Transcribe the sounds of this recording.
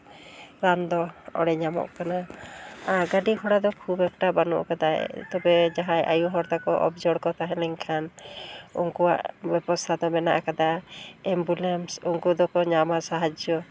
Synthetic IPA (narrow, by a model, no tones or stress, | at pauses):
ɾand̪ɔɔ̰ɽɛɲamɔ̰ʔkana | aɾɡaɖikʰɔɽad̪ɔkʰubɛk̚ʈabanɔ̰ʔkad̪ajt̪ɔbɛd͡ʒaɦaja̰juɦɔɾt̪akɔʔɔ̰bd͡ʒɔɽkɔt̪aɦɛ̃lɛŋkʰan | ṵŋkɔwa̰ʔbɛbɔst̪ʰad̪ɔmɛna̰ʔkad̪aɛmbulɛmsuŋkɔd̪ɔkɔɲamasaɦad͡ʒjɔ